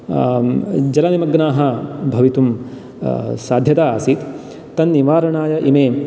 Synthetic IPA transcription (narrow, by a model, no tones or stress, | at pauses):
d͡ʒɐlɐʋimɐɡnaːɦɐbʱɐʋit̪um | saːd̪ʱjɐt̪aaːsit̪ | t̪ːɐnːiʋaːɾɐɳaːjɐʔimeː